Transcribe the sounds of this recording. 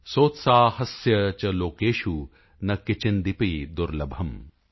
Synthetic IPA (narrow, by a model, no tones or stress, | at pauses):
soːt̪saːhɐsjɐt͡ʃɐloːkeːʃu | nɐkːit͡ʃind̪ipid̪uɾlɐbʱɐm